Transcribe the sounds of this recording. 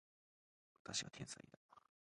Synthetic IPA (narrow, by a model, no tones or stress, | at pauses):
βat̪aɕiβa̰k̪ʰensa̰id̪a